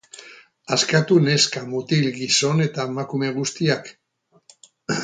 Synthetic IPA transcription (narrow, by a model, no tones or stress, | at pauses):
askat̪une̞skamut̪ilɡiso̞ne̞t̪aemakume̞ɣ̞ust̪iak